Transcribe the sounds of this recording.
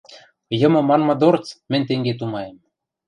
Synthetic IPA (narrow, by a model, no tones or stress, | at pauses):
jɤ̆mɤ̆mɑnmɤ̆d̪ort͡smɘ̆nʲt̪eŋɡet̪̬umɑjem